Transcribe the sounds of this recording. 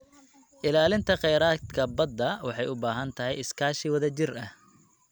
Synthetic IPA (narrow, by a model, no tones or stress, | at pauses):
ʔɪlaːlɪnt̪ʰɐqɛjɾaːt̪kʰɐbɐd̪ɐwɑħɑjʊbaːɦɐnt̪ʰɐɦɛ̰jɪskʰaːʃiwɐðɐt͡ʃɪrɐh